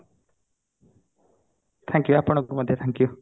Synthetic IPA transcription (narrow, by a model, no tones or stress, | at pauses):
t̪ʰɛ̃ŋkjuapɔɽ̃okomʌd̪ʱjeʌt̪ʰɛ̃ŋkju